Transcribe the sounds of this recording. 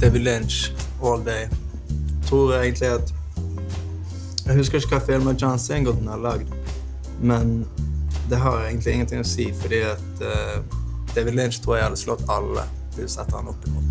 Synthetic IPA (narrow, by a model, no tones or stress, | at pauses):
d̪̥ɛɪʋɪd̪lɪnt͡ʃoːld̪ɛɪ | t̪ʰɾuːɾeɪɡənt̪ʰlɪɑt̪ | jɛhʉskəɾɪʃkɑfeːlmɛd͡ʒɑnsɛŋɡɔd̪nɑlɑɡd̪ | mɛn | d̪ɛɦɑɾeɡənt̪lɪɪŋːənt̪ʰɪŋːɔsiːfɔɖiːɑt̪ | d̪̥ɛɪʋɪd̪lɪnt͡ʃt̪ʰɾuːɾjæɪhɑd̪ːəslɔt̪ːɑlːə̰ | ʋɪlsɛt̪ːəhɑ̰nɔpːɪmɔt̪